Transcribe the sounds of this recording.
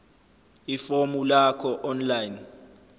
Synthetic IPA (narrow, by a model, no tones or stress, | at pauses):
ifomulakʰɔʔɔnlajn